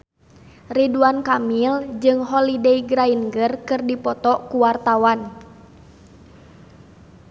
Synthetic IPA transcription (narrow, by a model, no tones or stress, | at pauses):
riduankamild͡ʒɨŋɦɔlidɛiɡɾainɡərkɨrdipɔt̪ɔkuwart̪awan